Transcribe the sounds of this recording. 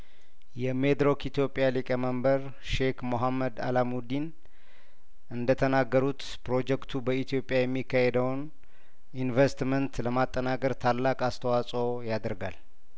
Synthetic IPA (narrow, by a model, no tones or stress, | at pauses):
jɛmed̪ɾo̞kit̪jo̞pʼːjalikʼəməmbəɾ | ʃe̞kmoɦamːəd̪a̰lamud̪in | ʔɨnd̪ət̪ʰənaɡːəɾut̪ | pɾo̞d͡ʒɛkt̪ʰubəit̪ʰijo̞pʼjajɛmːikːahed̪əwn | invest̪mənt̪ləmat̪ʼːənakʼəɾt̪ʰalːakʼast̪ʰəwasʼo̞jad̪əɾɡal